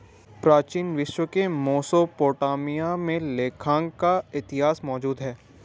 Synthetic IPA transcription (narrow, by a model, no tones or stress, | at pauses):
pɾaːt͡ʃiːnʋɪʃwəkemoːsopoːʈaːmijamẽleːkʰãːŋɡkaɪt̪ɪɦaːsmɔːd͡ʒuːd̪ɦɛː